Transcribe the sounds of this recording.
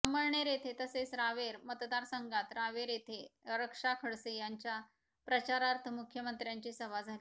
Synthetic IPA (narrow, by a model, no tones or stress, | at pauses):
səməɭɳeɾet̪ʰet̪əsesɾaʋeɾmət̪d̪aɾsəŋɡat̪ɾaʋeɾet̪ʰeɾəkʂakʰəɽsejaɲt͡ɕja | pɾət͡ɕaɾaɾt̪ʰəmukʰːjəmənt̪ɾjaɲt͡ɕisəʋad͡zʱali